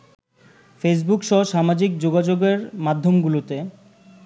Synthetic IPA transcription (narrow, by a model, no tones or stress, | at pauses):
fes̬bukʃɔɦʃamad͡ʑik̚d͡ʑoɡad͡ʑoɡeɾmad̪ʱːomɡulot̪e